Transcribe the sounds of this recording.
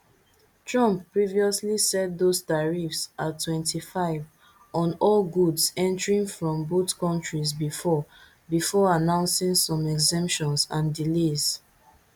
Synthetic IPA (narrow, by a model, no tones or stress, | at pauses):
tɹɔ̃mpːɹiviɔslisɛt̚dostaɹifsatʰːwɛ̃ntʰifaɪv | ʔɔ̃nɔlɡudsɛ̃ntəɹĩŋfɹɔ̃mbotkɔ̃ntɹizbifɔ | bifɔanãʊ̃nsĩŋsɔ̃mɛɡzɛ̃mpʃɔ̃nsãndilez̥